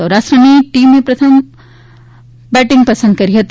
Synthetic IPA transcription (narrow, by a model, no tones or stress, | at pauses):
ɔɾaːsʈɾəniʈiːmːẽpɾɐt̪ʰəm | bɛːʈɪ̃ŋɡpɐsə̃nd̪kɐɾiɦɐt̪